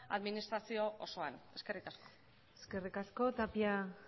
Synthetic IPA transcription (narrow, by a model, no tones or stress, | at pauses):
a̰ðminist̪ɾasio̞ʔoso̞ane̞ske̞rik̪asko̞̥ | eske̞rikasko̞t̪apia